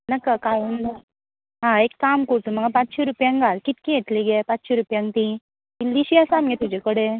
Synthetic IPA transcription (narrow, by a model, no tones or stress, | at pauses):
nəkːakajund̪a | ɦãekːamkoɾt̪um̤əɡapat͡sɕeɾupjaŋɡalkit̪̚kijet̪liɡepat͡sɕeɾupjãŋɡt̪i | ilːiɕiasamɡet̪ud͡ʑekəɽe